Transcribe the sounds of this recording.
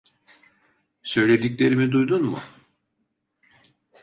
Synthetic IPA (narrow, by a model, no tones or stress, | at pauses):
sø̞jlʲe̞d̪iclʲe̞ɾimid̪ujd̪unmʊ̰